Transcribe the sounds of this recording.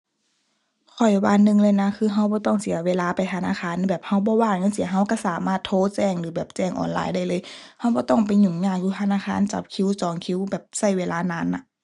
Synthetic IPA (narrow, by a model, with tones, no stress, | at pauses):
kʰɔ˨˩jwa̰ː˧˥nːɯ˧ŋlɤː˧jna˧˥kʰɯː˧ɦa˧˩wbɔː˧˦t̪ɔ˧˥˩ŋsi˨˦ɐweː˧˥laː˧˨pa˨jt̪ʰa˧na̰ː˧˥˨xaː˧˥˨nbɛː˨˩p̚ha˧˩wbɔː˧˦waː˧˥˨ŋɲa˧˥ŋs̬i˨˦ɐɦa˧˩wka˧˥˩saː˨˦maː˧˩t̪ʰːoː˧˨t͡ɕɛː˧˩ŋlɯː˨˦bɛː˨˩p̚t͡ɕɛː˧˩ŋʔɔ̰ː˨nla̰ː˧˦jda˧˩jlɤː˧˦jha˧˥wbɔː˧˦t̪ɔ˥˩ŋpa˨˩jɲu˧˩˦ŋɲaː˧˩k̚juː˧t̪ʰa˧naː˧˥˨xaː˧˥˨nt͡ɕa̰˧˦p̚kʰi˧˥wsɔː˨˦ŋkʰi˧˨wbɛː˨˩p̚sa˧˩jweː˧laː˧˥naː˧˥˨nːa˧˦